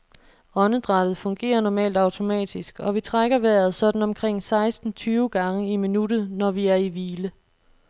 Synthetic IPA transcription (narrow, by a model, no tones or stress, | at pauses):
ɒ̽nəd̥ʁɑ̈d̥ð̩ˠfɔ̽ŋɡ̥e̝̰ːɐnɒmɛ̰ːld̥ɑ̈ʊt͡sʰo̝mɛ̰ːd̥isɡ̥ɒ̽ʋit͡sʰʁaɡ̥ɐʋæɐð̩ˠsɒ̽d̥n̩ɒ̽mkʰʁeŋ̰sɑ̈ɪsd̥n̩t͡sʰyːʊəɡ̥ɑ̈ŋəiminuɾ̥ð̩ˠnɒʋiæɐiʋiːlə